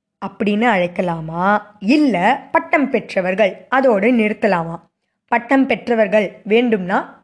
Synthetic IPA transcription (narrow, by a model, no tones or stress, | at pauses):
ɐpːɐɽɪnːɯɐɻɐɪkːɐlaːmaːɪlːɐpɐʈːɐmpɛʈrɐʋɐɾɣɐɭʔɐðoːɽɯnɪɾɯt̪ːɐlaːmaː | pɐʈːɐmpɛʈrɐʋɐɾɣɐɭʋeːɳɖɯmnaː